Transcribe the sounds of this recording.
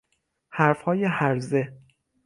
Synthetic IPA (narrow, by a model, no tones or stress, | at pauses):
hæɾfhɒːjehæɾze